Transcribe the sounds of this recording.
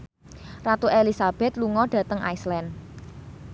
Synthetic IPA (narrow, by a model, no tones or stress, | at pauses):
rat̪uʔelisab̥ɛ̤t̪luŋɔɖ̥ä̤t̪əŋa̰islɛn